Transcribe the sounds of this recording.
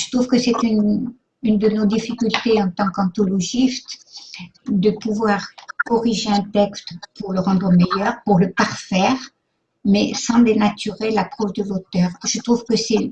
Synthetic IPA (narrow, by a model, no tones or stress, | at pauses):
ʒə̥t̪χuvkəsɛt̪yn | ynd̪ənod̪ifikʲylt̪eɑ̃t̪ɑ̃kɑ̃t̪ɔlɔʒist̪ | d̪əpuvwaʁkɔʁiʒeɛ̃t̪ɛkst̪puʁləʁɑ̃d̪ʁəmejœʁpuʁləpaʁfɛːʁ | mɛsɑ̃blenat̪yʁelapχɔvd̪əlot̪œːʁʒ̥ət̪χuvkəsɛ